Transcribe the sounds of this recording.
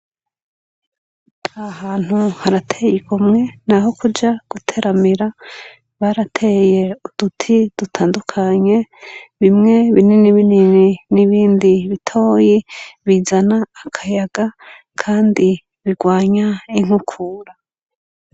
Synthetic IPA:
ahaːn̥huhaɾatʰe̞jikumŋe̞naɦo̞kud͡ʒaɡ̥utʰe̞ɾʔamiɾa | βaɾatʰe̞je̞ud̥utʰid̥utʰaːndukʰaɲe̞βimŋe̞βininiβinininiβiːndiβitʰo̞ːjiβizanaːkʰajaɡa | kʰaːndi | βiɡwaːɲaiŋ̥ukʰuːɾa

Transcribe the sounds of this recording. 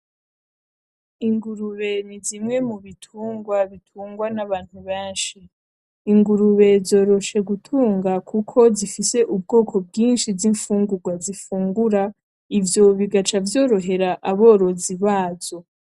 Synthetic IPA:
iŋɡuɾuβe̞nizimŋe̞muβitʰuːŋɡwaβitʰuːŋɡwanaβaːn̥huβeːnʃi | iŋɡuɾuβe̞zo̞ːɾo̞ʃe̞ɡutʰuːŋɡakʰukʰo̞zifise̞ʔub̚ɡo̞ːkʰo̞b̚ɡiːnʃiziɱfuːŋɡuɡwazifuːŋɡuɾa | ivjo̞βiɡat͡ʃavjo̞ːɾo̞ɦe̞ɾaʔaβo̞ːɾo̞ziβaːz̥o̞

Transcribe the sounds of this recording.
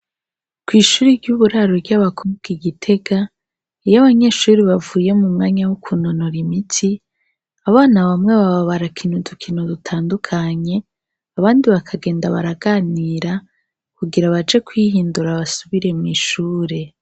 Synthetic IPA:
kwiːʃuːɾiɾɟuβuɾaɾoɾɟaβakʰobɡ̥iɡitʰe̞ɡa | ijaβaɲe̞ʃuːɾiβavuːje̞mumŋaːɲawukʰunonoɾimitʰi | aβaːnaβamŋe̞βaβaβaɾakʰin̥udukʰinudutʰaːndukʰaɲe̞ | aβaːndiβakʰaɡe̞ːndaβaɾaɡaniːɾa | kuɡiɾaβad͡ʒe̞kwiɦiːnduɾaβasuβiɾe̞mŋiʃuːɾe̞

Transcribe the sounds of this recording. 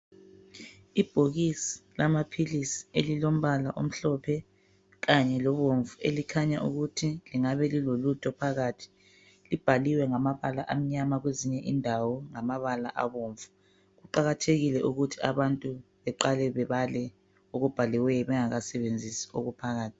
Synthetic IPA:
ib̥ʱoɣisi̥lamapʰilisi̥elilom̩βalaʔo̰m̩ɬɔpʰɛ | ɣaɲɛlɔβoɱvuelikʰaɲaʔṵɣutʰiliŋaβɛlilolutʰʼɔpʰaɣatʰi̥ | lib̥ʱaliwɛŋamaβalaʔam̩ɲamaɣweziɲɛʔindʱawɔŋamaβala̰ʔa̰βoɱvu | ɣuǃaɣatʰeɣilɛʔuɣutʰiaβantʼuβɛǃalɛβɛβalɛ | oɣub̥ʱalɛwɛjɔβɛŋaɣasɛβend͡zʱisi̥oɣupʰaɣaːtʰi̥

